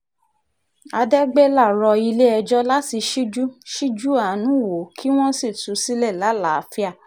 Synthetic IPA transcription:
a˧dɛ˦ɡ͡be˦la˦˨ɾɔ˧i˧le˦ɛ˧d͡ʒɔ˦la˦ti˧ʃi˦d͡ʒu˦ʃi˦d͡ʒu˦a˨˦nũ˨˦˨wo˨˦kʰi˦w̃ɔ̃˦si˦˨tu˨˦si˦lɛ˦˨la˨˦la˨˦˧fi˦a˦˨

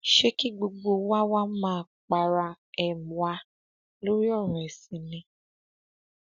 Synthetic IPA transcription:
ʃe˦ki˦ɡ͡bo˧ɡ͡bo˧wa˦wa˦mãː˦˧ | k͡pa˧ɾa˧ | ɛ˨mu˨wa˧˦ | lo˦ɾi˦ɔ˦˨ɾ̃ũ˨ɛ˨sĩ˨nĩ˧

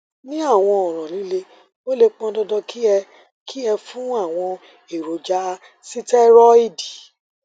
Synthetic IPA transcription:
nĩ˦a˦˨w̃ɔ̃˧ɔ˨ɾ̃ã˨li˨˦le˧ | wo˦le˧k͡pɔ̃˧dɔ˧dɔ˧kʰi˦ɛ˧ | kʰi˦ɛ˧fũ˦a˦˨w̃ɔ̃˧ | i˨ɾo˨d͡ʒa˧ | si˦tɛ˦ɾɔ˦i˦˨di˨

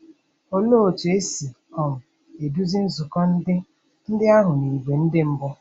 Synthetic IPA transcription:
o˦lo˦o˨tu˨e˦si˨ | ɔ˨m̩˨ | e˨du˦zɪ˦n̩˦zʊ˨kɔ˦n̩˦dɪ˦ | n̩˦dɪ˦a˦ɦʊ˨ni˨ɡʷe˨n̩˦dɪ˦m̩˦bʊ˦

